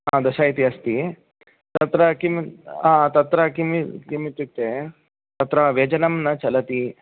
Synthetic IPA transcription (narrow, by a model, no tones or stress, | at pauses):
aːd̪ɐʃaːit̪iɐst̪i | t̪ɐt̪ɾɐkimaːt̪ɐt̪ɾɐkimikimit̪ːit̪ːe | t̪ɐt̪ɾɐʋɐd͡ʒɐnɐmnɐt͡ʃɐlɐt̪i